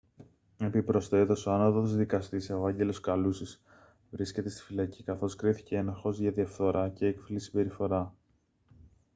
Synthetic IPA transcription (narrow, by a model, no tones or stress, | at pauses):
e̞pipɾo̞st̪e̞t̪osoɐnoðoðzðikɐst̪iseoɐɲɟe̞lo̞skɐlusis | vɾisce̞t̪e̞st̪i̥filɐcikɐθo̞skɾiθi̥ceenɐxo̞zʝɐðiɐfθo̞ɾʔɐce̞ekfilisibe̞ɾifo̞ɾɐ